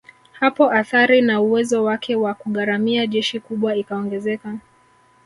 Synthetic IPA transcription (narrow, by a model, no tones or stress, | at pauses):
hapɔʔaθaɾinauwɛzɔwakʰɛwakuɠaɾamiaʄɛʃikuɓwaikaɔŋɡɛzɛka